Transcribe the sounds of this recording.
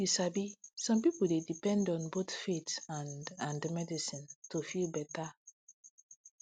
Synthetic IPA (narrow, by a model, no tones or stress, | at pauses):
jisabisɔ̃mpipuldedipɛ̃ndɔ̃nbotfetãnãndmɛdisĩntofilbɛta